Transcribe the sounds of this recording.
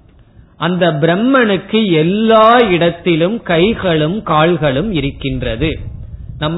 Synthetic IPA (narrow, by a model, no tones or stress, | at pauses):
ʔɐnd̪ɐbɪɾɛmːɐnɯkːɯɛlːaːɪɽɐt̪ːɪlɯmkɐɪɣɐɭɯmkaːɭɣɐɭɯmɪɾɯkːɪndrɐðɯnɐmː